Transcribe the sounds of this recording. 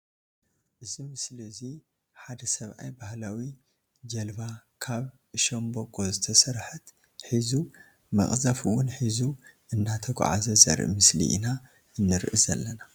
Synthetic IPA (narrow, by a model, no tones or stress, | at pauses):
ʔɨzimɨslizi | ħad̪ɐsɐβʔa̰jbahlawi | d͡ʒɐlbakʰaβ | ɨʃombokʼo̞zɨt̪ʰɐsɐɾħɨt̪ | ħizu | mɐ̰χʼzafɨwʊnħizuʔɨnːat̪ʰɐɡ̰ʷʼʕa̰zɐzɐ̰ɾʔɨ̰mɨslḭʔḭna | ʔɨnːɨɾʔɨzɐ̰lːɐna